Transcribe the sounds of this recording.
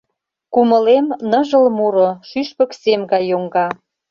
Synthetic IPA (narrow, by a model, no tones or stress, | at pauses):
kuməlemnə̆ʒə̆lmuɾoʃyʃpə̆ksemɡɑjːoŋɡɑ